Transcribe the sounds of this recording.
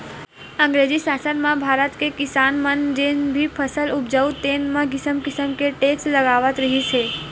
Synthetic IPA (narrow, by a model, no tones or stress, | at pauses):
ə̃ŋɡɾed͡ʒisasənmãbʱaɾət̪kekɪsanmənd͡ʒenbʱipʰəsəlup̚d͡ʒəut̪enmãɡɪsəmkɪsəmkeʈesʈləɡaʋət̪ɾəɦit͡ʃʰe